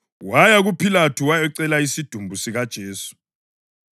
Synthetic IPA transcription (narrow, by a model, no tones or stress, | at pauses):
wajaɣupʰilatʰuwajɛǀɛlaisid̥ʱumbʱusiɣad̥ʒ̥ʱeːsu̥